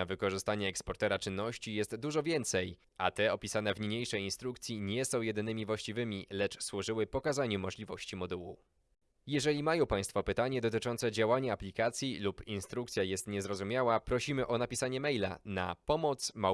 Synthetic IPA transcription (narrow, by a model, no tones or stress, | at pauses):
avɘkɔʐɘst̪aɲɛːkspɔɾt̪ɛɾat͡ʂɘnːɔɕt͡ɕijɛst̪d̪uʐɔvʲjɛnt̪sɛj | at̪ɛɔpʲisanɛvɲɲejʂɛjinst̪ɾukt̪sʲjiɲɛsɔ̃w̃jɛd̪ɘnɘmʲivwaɕt͡ɕivɘmʲilɛt͡ʂswuʐɘwɘpɔkazaɲumɔʐlʲivɔɕt͡ɕimɔd̪uwu | jɛʐɛlʲimajɔ̃w̃paj̃st̪fɔpɘt̪aɲɛd̪ɔt̪ɘt͡ʂɔnt̪sɛd͡ʑawaɲaaplʲikat̪sʲjilupinst̪ɾuk̚t̪sʲjajɛst̪ɲɛzɾɔzumʲjawapɾɔɕimɘʔɔnapʲisaɲɛmɛjla̰na̰pɔmɔt̪sma